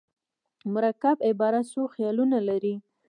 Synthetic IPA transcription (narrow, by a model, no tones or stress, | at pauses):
mʊɾakabɪbɑɾasoxjɑlunalaɾi